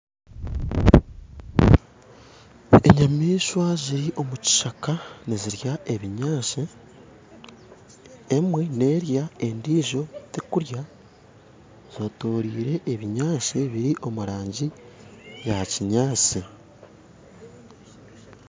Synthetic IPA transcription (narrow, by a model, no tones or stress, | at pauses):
e̞ɲamiːʃwaziɾiʔo̞muci̥ʃakaniziɾjaʔe̞βiɲaːʃe | mwe̞ne̞ːɾjae̞ndiːʒo̞tekuɾja | z̥o̞toːɾiːɾe̞ʔːβiɲaːseβiɾiʔo̞muɾaːɲɟi | jaciɲaːt͡si